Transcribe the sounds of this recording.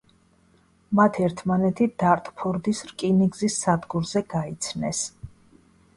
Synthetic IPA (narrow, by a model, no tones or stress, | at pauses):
mat̪ʰɛɾt̪ʰmanɛt̪ʰid̪̥aɾt̪ʼpʰɔɾd̪isɾkʼiniɡzisːad̪ɡuɾzɛɡait̪sʰnɛs